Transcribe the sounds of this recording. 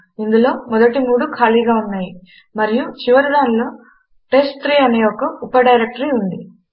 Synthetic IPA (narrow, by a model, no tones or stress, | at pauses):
ind̪ulo̞ːmɔd̪ɐʈimuːɽukʰaːliːɡaːunːaːji | mɐɾijut͡ʃiʋɐɾid̪aːnlo̞ː | ʈe̞sʈt̪ɾiːɐneːɔkɐupɐɖɐjɾek̚ʈɐɾiund̪i